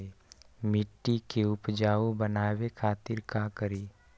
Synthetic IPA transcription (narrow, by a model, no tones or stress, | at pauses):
mɪʈːikeʊpd͡ʒaːobənaːwekʰaːt̪ɪɾkakəɾiː